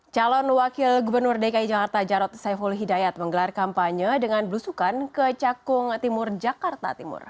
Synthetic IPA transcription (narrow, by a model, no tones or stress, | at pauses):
t͡ʃalɔnwakɪlɡubərnʊrdekaid͡ʒakart̪ad͡ʒaɾɔt̪̚safulɦidajat̪̚məŋɡəlarkampaɲədəŋanbəlusukankət͡ʃakʊŋt̪imʊrd͡ʒakart̪a̰t̪imʊ̰r